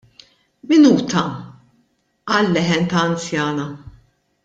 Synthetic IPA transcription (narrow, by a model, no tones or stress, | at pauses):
mɪnuːt̪ɐ | ɐlːɛħɛnt̪ɐːnt͡sjɐːnɐ